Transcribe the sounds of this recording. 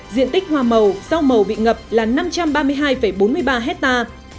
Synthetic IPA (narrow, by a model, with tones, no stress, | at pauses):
zḭ˧˨ənt̪ï˦˥k̟̚hwaː˧˩mə˨˩wsa˧wmə˨˩wɓḭ˧˨ŋə˨˩p̚laː˨˩na˧mt͡ɕa˧mɓaː˧mɨ˧əjɦaː˧jfə˧˩jɓo˨˦nmɨ˧əjɓaː˧ɦɛ˦˥t̚t̪aː˧